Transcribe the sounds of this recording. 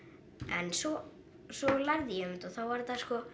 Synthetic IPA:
ɛ̰nsɔ | sɔlaɾðɪjɛmɪt̪ɔθawvaɾt̪askɔ

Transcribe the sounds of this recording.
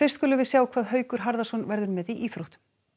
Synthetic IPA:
fɪr̥st̪kʏlʏvɪðsjaːwkʰvaːðɦœːɥkʏɾ̥ɦaɾðasɔnvɛɾðʏɾmɛðiʔiːθɾuht̪

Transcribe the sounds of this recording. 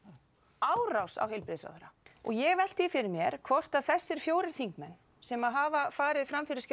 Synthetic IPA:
aːwrawsa̰wɦɪjlpɾɪðɪsva̰wðɛɾaɔ̰ɣjɛɣvɛl̥t̪ɪjɪfɪɾɪɾmjɛɾ̥kʰvɔr̥t̪aðθɛsːɪɾ̥fjoːwɾɪɾ̥θiŋkmɛnː | sɛmaðɦaːvafaːɾɪðɪfɾamfɪɾɪɾ̥sc

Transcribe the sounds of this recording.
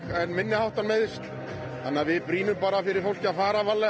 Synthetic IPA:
ɛnːmɪnːɪhawht̪anmejðɪst̪l | θa̰nːavɪðpɾiːnʏmpaːɾafɪɾɪɾ̥fow̥̪cɪafaːɾavalːɛ

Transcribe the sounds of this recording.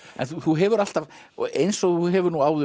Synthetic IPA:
ɛ̰nθuθuɦɛvʏɾal̥t̪av | ejnsɔɣθuɦɛvʏɾnuaːwðʏ

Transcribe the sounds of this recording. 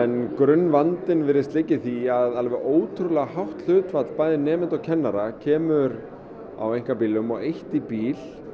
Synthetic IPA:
ɛnkɾʏnːvant̪ɪnvɪɾðɪst̪lɪcːɪθiaðalvɛoːwt̪ʰɾulɛɣahawht̪l̥ʏːt̪fat̪l̥paːjðɪnɛːmɪnt̪awcʰɛnːaɾacʰɛːmʏɾ | a̰wejŋ̥kapiːlʏmɔɣejht̪ipiːl̥

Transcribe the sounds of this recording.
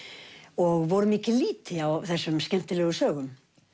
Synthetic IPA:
ɔɣvɔɾʏmiːcɪliːt̪ɪawθɛsːʏmscɛm̥t̪ɪlɛːɣʏsœːɣʏm

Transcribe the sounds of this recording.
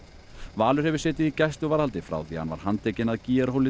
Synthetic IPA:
vaːlʏɾ̥hɛvɪɾ̥sɛːt̪ɪðicast̪ʏɣvaːɾhalt̪ɪfɾa̰wθihanva̰ɾ̥hant̪ʰejcɪnaðciːjaɾhowlɪ

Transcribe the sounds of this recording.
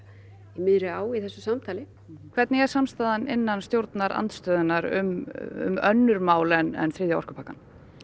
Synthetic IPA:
imɪðɾɪaːwiθɛsːʏsamt̪ʰaːlɪ | kʰv̥ɛɾt̪nɪɛɾ̥samst̪aːðanɪnːanst̪jowɾt̪naɾa̰nt̪st̪œːðʏnaɾʏ̰mʏ̰mœnːʏɾmaːwlɛnɛ̰nθɾɪːðjaɔ̰r̥kʏ̥pʰaːkan

